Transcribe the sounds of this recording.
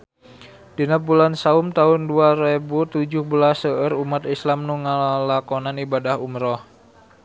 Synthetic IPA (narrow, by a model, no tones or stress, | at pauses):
d̥inabulansaumt̪aʊnduaɾebut̪ud͡ʒʊhbəlasəʔəɾumat̪islamnuŋalakɔnanibadahumɾɔh